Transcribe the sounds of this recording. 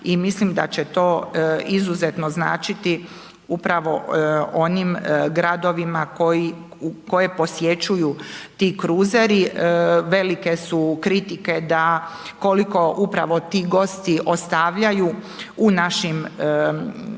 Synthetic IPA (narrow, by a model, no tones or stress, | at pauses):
imislimd̪a̰t͡ɕet̪o̞ːizuzet̪no̞zna̰ːt͡ʃit̪i | upɾaʋo̞̰o̞nimɡɾad̪o̞ʋimakoji | uko̞je̞po̞sje̞t͡ɕujut̪iːkɾuːzeɾiʋe̞like̞sukɾit̪ike̞d̪ako̞liko̞ʔupɾa̰ʋo̞t̪iːɡo̞st̪iʔo̞st̪aʋʎaju | unaʃim